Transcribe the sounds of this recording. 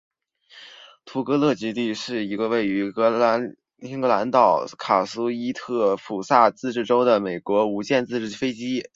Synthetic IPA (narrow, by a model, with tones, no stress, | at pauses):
t̪ʰu˧˥kɤ˧˥lɤ˥˩t͡ɕi˧˥t̪i˥˧ʂɻ̩˥˩i˧˥ɡə˧we˥˩ɪy˧˥˧ | i˥ŋkɤ˧˥la˧˥nt̪ɑ˨˩ʊkʰa˨˩su˥i˥t̪ʰɤ˥˩fu˨˩sa˥˧t͡sɹ̩˥˧ʈ͡ʂɻ̩˥˩ʈ͡ʂo˥ʊd̪ə˨me˨˩ɪkwɔ˧˥u˧˥t͡ɕjɛ˥˧nt͡sɹ̩˥˧ʈ͡ʂɻ̩˥˩fe˥ɪt͡ɕi˥